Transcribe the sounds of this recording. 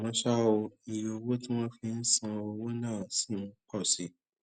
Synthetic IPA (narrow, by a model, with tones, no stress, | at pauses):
w̃ɔ̃˧˦ʃa˦o˧i˧jo˧wo˦tĩ˦w̃ɔ̃˦fĩ˧n̩˦sã˧o˧wo˦nãː˦˨sĩ˦˨n̩˦k͡pɔ˦˨si˨˦